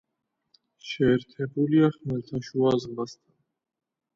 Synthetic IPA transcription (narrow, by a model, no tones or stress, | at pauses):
ʃɛːɾt̪ʰɛbuliaχmɛlt̪ʰaʃuazmast̪ʰan